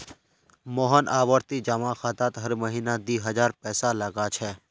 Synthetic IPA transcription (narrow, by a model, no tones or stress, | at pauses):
mɔːɦənʔaːʋəɾt̪id͡ʒəmaxaːt̪aːt̪ɦəɾməɦiːnad̪iːɦəd͡ʒaːɾpɛːsaləɡat͡ʃʰɛː